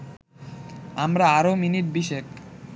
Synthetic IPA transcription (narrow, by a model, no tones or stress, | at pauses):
amɾaaɾominiʈ̚biʃek